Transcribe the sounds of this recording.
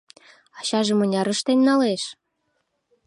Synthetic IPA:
ɑɕɑʒĕmɤ̆nʲɑɾɤ̆ʃt̪enʲːɑleʃ

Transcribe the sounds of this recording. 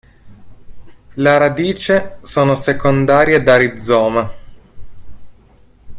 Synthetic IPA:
leɾad̪iːt͡ʃesoːnosekond̪aːɾjed̪aɾid̪zɔːma

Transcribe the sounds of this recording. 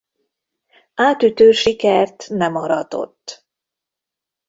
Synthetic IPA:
aːt̪yt̪øːʃikɛrt̪nɛmɒɾɒd̪o̞̰t̪ː

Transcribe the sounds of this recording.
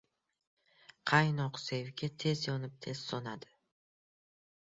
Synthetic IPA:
qʰɑjnɒqse̞vɡʲat̪ʰe̞zjɒnɪp̚t̪ʰe̞z̥sonad̪ɪ̥

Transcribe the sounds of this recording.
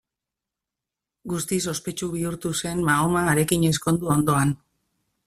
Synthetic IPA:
ɡust̪is̬o̞spe̞t͡ʃuβiuɾt̪use̞nmaomaːɾe̞kiɲe̞sko̞nd̪uo̞nd̪o̞an

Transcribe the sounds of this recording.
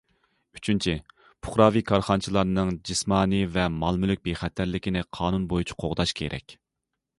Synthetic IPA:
y̥t͡ʃʰynt͡ʃʰi | pʰʊ̥χɾɑːvikʰɑɾχɑnt͡ʃʰilˠɑɾnɨŋd͡ʒismɑːnivɛmɑlˠmylyk̚ʲbeχɛt̪ʰːæɾlɪkʲinɪqʰɑːnunbojut͡ʃʰi̥qʰoʁd̪ɑʃkʲʰeɾʔɛ̰kʲ

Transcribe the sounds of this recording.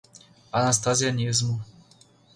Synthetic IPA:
anast̪azjanizmu

